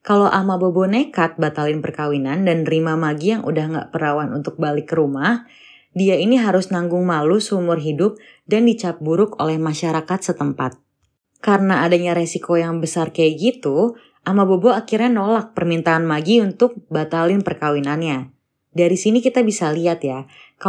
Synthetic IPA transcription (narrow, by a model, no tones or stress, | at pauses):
kalowʔamabobɔnekat̪̚bat̪alɪnpərkawinandanrimamaɡijaŋṵdahŋɡa̰ʔpəɾawanṵnt̪ʊk̚balɪkːəɾumah | diainiɦaɾʊsnaŋɡʊŋmalusəumʊrɦidʊp̚ | dandit͡ʃap̚buɾʊko̰lɛhmaʃaɾakat̪sət̪əmpa̰t̪̚ | kaɾənaːdaɲaɾesikʰojaŋbəsarkajaɡit̪u | ʔamaboboakirɲanolak̚pərmint̪aːnmaɡiunt̪ʊk̚bat̪alɪnpərkawinanɲa | daɾisinikit̪abisaliat̪ja | ka